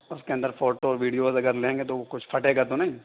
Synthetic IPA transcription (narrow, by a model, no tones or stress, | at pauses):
ʊskeɐ̃nd̪əɾfoːʈoɔɾʋiːɖijoːzɐɡəɾlẽːŋɡet̪okʊt͡ʃʰpʰɐʈeɡat̪onɐɦĩ